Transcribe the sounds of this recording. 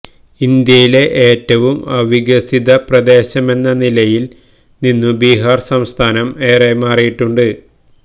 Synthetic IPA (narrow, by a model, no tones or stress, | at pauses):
ind̪jɐjile̞ʔeːtːɐʋumɐʋiɡɐsiðɐprɐd̪e̞ːɕɐme̞nːɐnilɐjil | ninːɨbiːɦaːrsɐmst̪ʰaːnɐme̞ːremaːrijiʈːuɳɖɨ